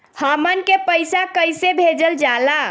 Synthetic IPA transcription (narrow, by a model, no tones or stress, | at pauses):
həmənkepəjsakəjsebʱed͡ʒəld͡ʒala